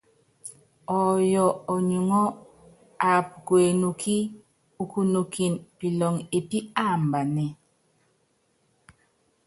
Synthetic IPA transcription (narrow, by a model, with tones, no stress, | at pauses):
ɔ˨jɔ˨ɔ˨ɲu˨ŋɔ˦ | a˨p̚kwe˨nu˨kʰi˦ | u˨ku˨nu˨ki˨npi˨lɔ˨ŋe˨pi˦a˦˨m˨ba˨nɛ˨